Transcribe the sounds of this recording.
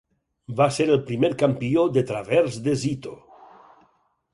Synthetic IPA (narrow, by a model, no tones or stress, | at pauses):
baseɾelpɾimeɾkampiod̪et̪ɾaβeɾzd̪ezit̪o